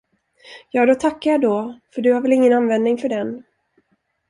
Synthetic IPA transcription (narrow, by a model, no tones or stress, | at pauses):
jɑːd̪ɔt̪ʰakːaɾjad̪ɔfœɖɵhaɾvɛlɪŋːənanvɛnd̪nɪŋfœɖɛn